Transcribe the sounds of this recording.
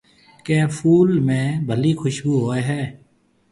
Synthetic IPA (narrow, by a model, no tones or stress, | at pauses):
kẽːfʰuːlmẽːbʱəliːxʰʊʃbuːɦoːeɦɛː